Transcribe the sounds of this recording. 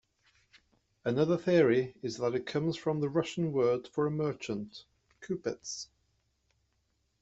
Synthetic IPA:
ənʌðəθɪəɹiɪzðəɾɪʔkʰʌ̃mz̥fɹə̃mðəɹʌʃə̃nwɜːd̥fəɹəmɜˑt͡ʃə̃nʔ | kʰʉˑpɪts

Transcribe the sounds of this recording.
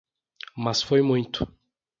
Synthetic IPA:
mɐsfojmũj̃t̪ʊ̥

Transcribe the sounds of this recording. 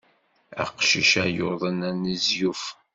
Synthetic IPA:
æ̰qʃḭʃæjoðˤənænizjuf

